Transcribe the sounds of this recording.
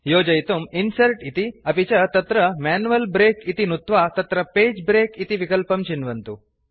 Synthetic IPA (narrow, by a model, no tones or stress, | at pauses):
joːd͡ʑɐjt̪uminsɐɾʈit̪iɐpit͡ɕɐt̪ɐt̪ɾɐmɛnuʋɐlbɾeːkit̪inut̪ʋat̪ɐt̪ɾɐpeːd͡ʑbɾeːkit̪iʋikəlpɐmt͡ɕinʋɐnt̪u